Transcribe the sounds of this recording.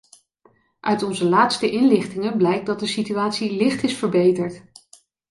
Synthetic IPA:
ʔœɥtɔnzəlaːtstəʔɪnlɪχtɪŋənblɛjk̚dɑt̚dəsityaːtsilɪχtɪsfəɹbejtəɹt

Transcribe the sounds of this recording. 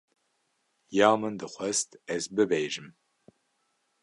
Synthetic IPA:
jaːmɨndɨχʷɐstʰɛzbɨbejʒɨm

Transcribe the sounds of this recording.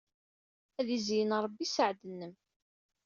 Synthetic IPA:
æðizjənɾˤəbːisəʕd̪ənːəm

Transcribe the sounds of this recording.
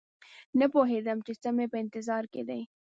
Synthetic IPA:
napoɦed̪amt͡ʃesamepəɪnt̪ɪzɑɾkḛd̪aj

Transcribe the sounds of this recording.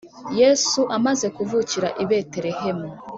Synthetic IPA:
jesuʔamaze̞kuvuciɾaʔiβe̞te̞ɾehe̞mu

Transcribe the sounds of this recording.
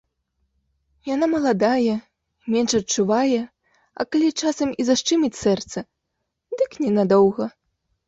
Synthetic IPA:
janamɐlˠad̪ajɛ | mʲɛnʂɐtt͡ʂuvajɛ | ɐ̰kalʲit͡ʂasɐmizaʂt͡ʂɨmʲit͡sʲsɛrt̪sɐ | d̪ɨknʲɛnad̪ɔwɣɐ

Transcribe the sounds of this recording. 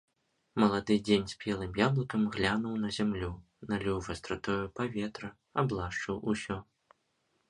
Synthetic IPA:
mɐlˠad̪ɨd͡zʲenʲsʲpʲjɛlˠɨmjablˠɐkɐmɣlʲanɐwnɐzʲamlʲu | nalʲuvɐst̪ɾat̪ɔjupavʲɛt̪ɾɐ | ablˠaʂt͡ʂɨwusʲɔ

